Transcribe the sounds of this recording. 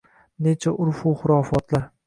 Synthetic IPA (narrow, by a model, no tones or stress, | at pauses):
ne̞t͡ʃʰaʔʊɾfuχʊɾɒfɒt̪laɾ